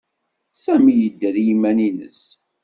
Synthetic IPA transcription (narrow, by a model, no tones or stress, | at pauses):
sæmijəd̪ːæðjimːæninə̰s